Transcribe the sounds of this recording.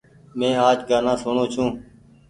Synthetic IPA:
mẽːaːd͡ʒɡaːnãːsʊɳõːt͡ʃʰũː

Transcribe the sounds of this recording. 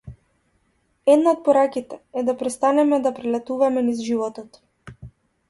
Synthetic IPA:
ɛd̪naɔt̪̚pɔɾakit̪ɛɛd̪apɾɛst̪anɛmɛd̪apɾɛlɛt̪uvamɛnizʒivɔt̪ɔt̪

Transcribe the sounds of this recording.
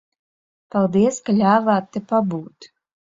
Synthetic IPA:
palˠd̪iɛskalʲaːvaːt̪ːɛpabuːt̪

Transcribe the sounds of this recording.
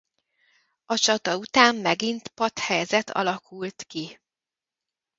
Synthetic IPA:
ɒt͡ʃɒt̪ɒut̪aːmːɛɡint̪pɒt̪hɛjzɛt̪ʰɒ̰lɒkʰult̪ki

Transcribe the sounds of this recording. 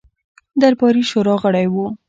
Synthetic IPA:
d̪aɾbɑɾiʃoɾɑɣəɽajwu

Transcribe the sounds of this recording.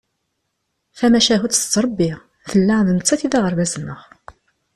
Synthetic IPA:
fæmæʃæɦut̪ə̥t͡sːɾˤɑbːiʁ | θəlːæðnət͡sːæθiðæʁəɾˤvæzənːəχ

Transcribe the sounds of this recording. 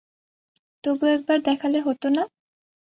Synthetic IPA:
t̪obuɛk̚baɾd̪ɛkʰaleɦot̪ona

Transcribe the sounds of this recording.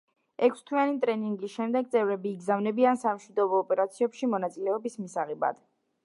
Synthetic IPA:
ɛkʰst̪ʰwianit̪ʼɾɛniŋɡisʃɛmd̪ɛɡ̚t̪sʼɛvɾɛbiːɡzavnɛbiansamʃwid̪ɔbɔːpʼɛɾat̪sʰiɛpʃimɔnat̪sʼilɛɔbismisaʁɛba̰d̪̥

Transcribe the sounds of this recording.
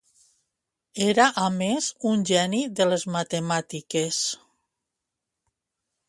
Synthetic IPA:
eɾaʔamezunʲʒɛniðelezmat̪emat̪ikes

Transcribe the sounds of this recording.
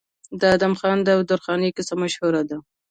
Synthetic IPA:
d̪əad̪amxɑnd̪əwd̪ʊɾxɑnekɪsamaʃhuɾad̪a

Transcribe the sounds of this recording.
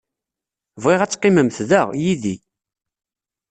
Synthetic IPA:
vʁɪʁæt͡sːqːɪməmθðəʁjiðḭ

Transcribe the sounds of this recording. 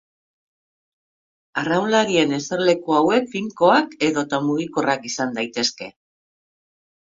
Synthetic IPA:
arawlaɾie̞ne̞seɾle̞koawe̞k̚fiŋko̞ake̞ðo̞t̪amuɣ̞iko̞rakisand̪ajt̪e̞ske̞̰

